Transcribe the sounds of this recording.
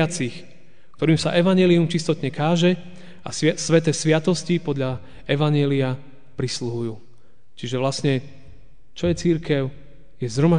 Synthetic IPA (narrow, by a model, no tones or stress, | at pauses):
at͡six | kt̪ɔɾiːmsa̰ʔɛʋaɲɛːliumt͡ʃist̪ɔt̪ɲɛkaːʒɛ | ʔa̰sʋɛt̪ɛːsʋɪat̪ɔscipɔd̪ʎa | ɛʋaɲɛːlia | pɾisluɦujuː | t͡ʃiʒɛʋlasɲɛ | t͡ʃɔjɛt͡siɾkɛʊ | jɛzɦɾɔma